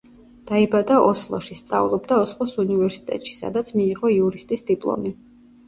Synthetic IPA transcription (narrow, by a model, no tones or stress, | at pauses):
d̪̥aibad̪aʔɔslˠɔ̰ʃist̪sʼa̰vlˠɔbd̪aɔslˠɔsunivɛɾsi̥t̪ʼɛ̰t̪ʼʃi̥sa̰d̪at̪sʰmiːʁɔiuɾist̪ʼisd̪ipʼlˠɔ̰mi